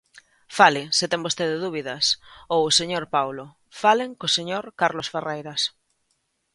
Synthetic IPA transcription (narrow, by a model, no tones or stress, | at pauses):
falɪsɪt̪ɛŋbost̪eðeðuβiðɐsowseɲoɾpawlo | faleŋkoseɲoɾkaɾlosferejɾɐs